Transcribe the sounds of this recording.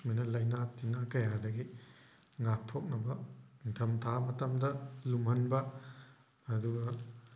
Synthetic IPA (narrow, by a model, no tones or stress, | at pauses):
minɐlɐjnatinakɐjadɐɡi | ŋak̚tʰok̚nɐbɐŋtʰɐmtʰamɐtɐmdɐlumhɐnbɐː | duɡɐ